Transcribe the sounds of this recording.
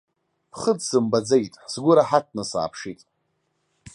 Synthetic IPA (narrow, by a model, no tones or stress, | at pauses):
pʰχət͡ssɨmbad͡zejtʼħsɡʷʊɾaħat̚ʰnɨsa̰ːpʰʂitʼ